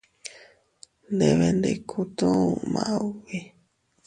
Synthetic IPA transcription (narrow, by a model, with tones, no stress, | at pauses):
nd̪e˨βe˧nd̪e˧˨kʰu˧t̪ũ˦u˨mã̰˨ʔa˧u˦βi˦